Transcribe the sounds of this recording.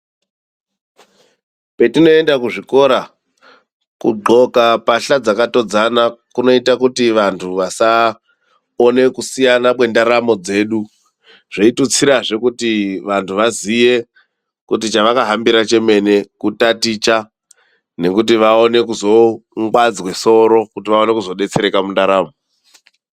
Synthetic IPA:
pe̞tino̞e̞ndakuʐiko̞ɾa | kṵɡ͡ǃo̞kapaɬad͡zakato̞d͡zanakuno̞itakutiʋantʰuʋasa | one̞kusijanapwe̞ndaɾamo̞d͡ze̞ːɗu | ʐ̥eitut͡siɾaʐe̞kutiʋantʰuʋaziʋe̞ | kutit͡ʃaʋakaɦambiɾat͡ʃe̞me̞ne̞kutatit͡ʃa | ne̞kut̬iʋaone̞kuzo̞ŋɡwad͡zweso̞ɾo̞kutiʋao̞ne̞kuzo̞ɗe̞t͡se̞ɾe̞kamundaɾaːmo

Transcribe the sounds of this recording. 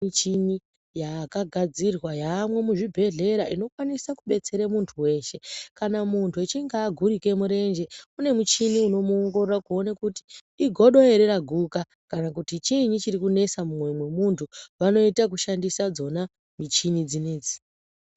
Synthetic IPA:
it͡ʃini | jakaɡʱad͡zirwajaːmwe̞muʐibʱe̞ɮe̞ɾaʔino̞kwanisakuɓe̞t͡se̞ɾemuntʰuwe̞ːʃe̞kanamuntʰuet͡ʃiŋɡaːɡʱuɾike̞muɾe̞nd͡ʒe̞une̞mut͡ʃiniuno̞muoŋɡo̞rorakuo̞nakuti̥ː | ɡʱo̞ɗo̞e̞ɾe̞ɾaɡʱuka | kanakutit͡ʃiɲit͡ʃiɾikune̞samumwe̞mwe̞muntʰuʋano̞itak̬uʃandisad͡zo̞na | mit͡ʃinid͡zine̞ːd͡zi̥

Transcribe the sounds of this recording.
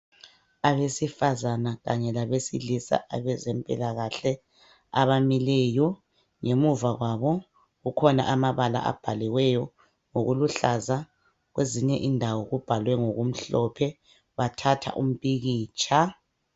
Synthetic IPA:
aβesifazanaɣaɲɛlaβesḭlisa̰ʔaβɛzɛmpʼḭlaɣaɬɛ | aβamilɛːjɔ | ŋemuvaɣwaβɔ | ɣukʰɔna̰ʔamaβala̰ʔa̰b̥ʱaliwɛjɔ | ŋoɣuluɬaza | ɣweziɲɛʔindʱawɔɣub̥ʱalwɛŋoɣum̩ɬɔpʰɛ | βatʰatʰa̰ʔum̩pʼiɣiːt͡ʃʰʼa

